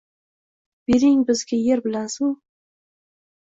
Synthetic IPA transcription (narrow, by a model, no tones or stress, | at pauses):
b̥eɾɪŋbɪzɡʲajeɾbɪlas